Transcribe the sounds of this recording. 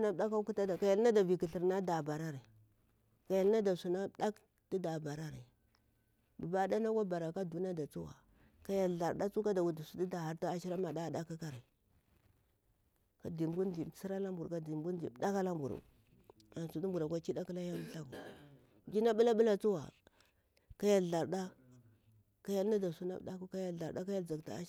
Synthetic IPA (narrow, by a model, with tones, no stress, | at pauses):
na˦ɗa˦ka˦ku˦ta˦da˨ka˨ja˨lna˦da˨vi˨ki˨ɬi˨ɾna˦da˨ba˨ɾa˦ɾi˨ | ka˨ja˨lna˦da˨su˨na˦ɗa˦k | di˦da˨ba˨ɾa˦ɾi˨ | bu˨ba˦da˦na˦ka˦ba˨ɾa˨ka˦du˨na˦da˨t͡su˦wa̰˨ | ka˨ja˨ɮa˨ɾda˦t͡su˦ka˦da˨wu˨di˨su˦di˦da˨ha˨ɾta˦a˦ʃi˦ɾa˦ma˨da˦˨da˦ka˦ka˦ɾi˨ | ka˨di˨mɡu˦di˨si˦ɾa˦la˦mbu˨ɾka˦di˨mɡu˦ndi˨˦da˦ka˦la˦mbṵ˨ɾṵ˨ | a˨nsu˦du˦mbu˨ɾa˨kʷa˦t͡ʃi˦da˦ki˦la˦ja˦m˦ɬa˦kṵ˨ | d͡ʒi˦na˦ɓu˦la˦ɓu˦la˨t͡su˦wa̰˨ | ka˦ja˨lɮa˨ɾda˦ | ka˦ja˦lna˦da˨su˦na̰˦bɗa˦ku˦ka˦ja˨lɮa˨ɾɗa˦ka˦ja˦ld͡za˨kta̰˨˦